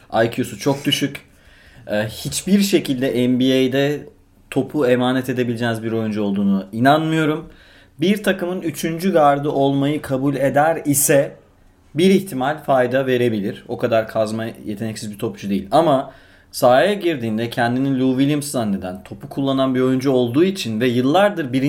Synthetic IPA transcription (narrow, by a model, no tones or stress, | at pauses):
ajcʰjosut͡ʃʰo̞k̚d̪yʃyc | ɛhit͡ʃbiɾʃe̞cilʲd̪ɛʔɛmbiejd̪ɛ | t̪ʰo̞pʰue̞maːnɛt̪ʰe̞d̪e̞bilʲd͡ʒɛnizbiɾo̞jund͡ʒuo̞lˠd̪uːnuinanmɯjo̞ɾum | biɾt̪ʰakɯmɯnyt͡ʃʰynd͡ʒyɡaɾd̪ɯʔo̞lˠmajɯkʰabulʲe̞d̪æɾisɛ | biɾiçt̪ʰimalʲfajd̪ave̞ɾe̞bilʲiɾ̥o̞kʰad̪aɾkʰazmaje̞t̪ʰe̞nɛcsizbit̪ʰo̞p̚t͡ʃʰud̪ejḭlʲama | saːjɛɟiɾd̪iːnd̪ɛcʰɛnd̪ininlʲuvilʲimszanːe̞d̪ænt̪ʰo̞pukʰulˠːananbio̞jund͡ʒuo̞lˠd̪uːit͡ʃʰinvɛjɯlˠːaɾd̪ɯɾbiɾ